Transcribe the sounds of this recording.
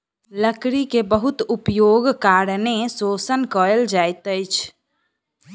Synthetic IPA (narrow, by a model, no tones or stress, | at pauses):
ləkɾikebəɦut̪upjoɡkaːɾnesosənkəɾəld͡ʒajt̪əjt͡ʃʰ